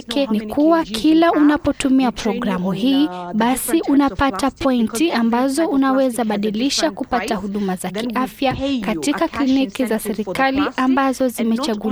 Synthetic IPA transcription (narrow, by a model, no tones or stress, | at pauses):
kɛnikuwakʰilaunapɔtumiapɾɔɡɾamuhiːɓasiʔunapatapɔintiambazɔunawɛzaɓaɗiliʃakupatahuɗumazakiʔafjakatikaklinikizasɛɾikaliʔambazɔzimɛt͡ʃaɠu